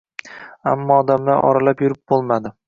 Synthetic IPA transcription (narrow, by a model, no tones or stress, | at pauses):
a̰mːɒːd̪amlaɾʔɒ̰ɾalapjʊɾɪp̚bolˠmad̪ɪ